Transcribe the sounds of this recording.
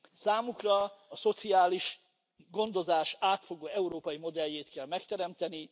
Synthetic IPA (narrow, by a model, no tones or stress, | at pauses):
saːmukrɒːso̞t̪siaːliʃ | ɡo̞nd̪o̞zaːʃaːt̪fo̞ɡoːɛuɾoːpɒjimo̞d̪ɛljeːt̪kɛlmɛkt̪ɛɾɛmt̪ɛni